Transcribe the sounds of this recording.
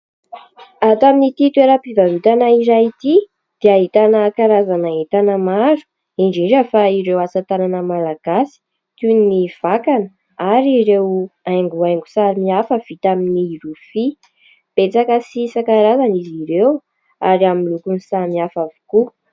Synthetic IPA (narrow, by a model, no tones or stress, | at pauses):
at̪aminit̪it̪ueɾəpivavut̪anaiɾait̪i | d̪̥iaɦit̪anəkaɾazanaɦit̪anəmazu̥ | iɳɖ͡ʐiɳd͡ʒəfaiɾewasat̪ananəmalaɡ̥asi̥ | t̪unniv̥akanə | aɾiɾewajŋɡuajŋɡu̥saɾimiafəv̥it̪aminirufi | pet͡sakəsisakaɾazaniziɾew | aɾamilukunsamiafavu̥ku